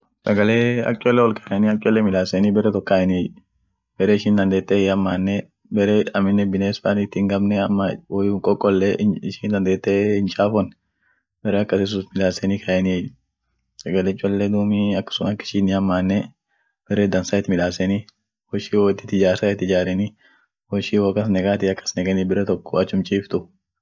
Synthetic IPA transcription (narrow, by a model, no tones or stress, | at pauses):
sɐɡɐleːɐ̰kʼɔlːɛwɔlkʰɐʔɛniːɐkʼɔlːɛmɪᶑ̪aːsɛniːbɛrɛt̪ɔkːaːʔɛnɪɛjʊ | b̥ɛɾeːɪʃiːnd̪ɐnd̪e̞ːt̪ːɛhɪhɐmːaːnːɛ | bɛɾeːɐmɪnːɛbɪneːsfaːnɪt̪ːɪŋɡɐbnɛɐmːɐwɔjuŋkʼɔkʼːɔlːɛɪʃiːnd̪ɐnd̪eːt̪ːɛɪnt͡ʃʼaːfɔnːɛ | bɛɾɛːɐkːɐsɪs̬ut̪mɪᶑ̪aːsɛniːkʰɐʔɛnɪɛ | sɛɡɐlɛt͡ʃʼːʊɐlːeːd̪uːmiɐkːɐ̥sʊnɐkːɪ̥ʃiːnɪhɐmːaːnːɛ | b̥ɛɾeːd̪ɐnsaːɪt̪ɪmɪᶑ̪aːsɛni | wɔʃiːwoːɪt̪ːɪ̥t̪ːɪd͡ʒaːɾsaːɪt̪ːɪd͡ʒaːɾɛni | wɔɪʃiːwoːkːɐsnɛkʼaːt̪ɪɐkːɐ̥snɛkʼɛnibɪɾɛt̪ɔkːɔ̥ɐt͡ʃːʊmt͡ʃʼiːft̪ʊ